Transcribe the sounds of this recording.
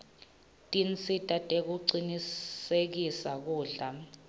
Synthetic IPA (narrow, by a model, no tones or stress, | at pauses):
tʼint͡sʼitʼatʼek̬uǀinisek̬isak̬uːɮa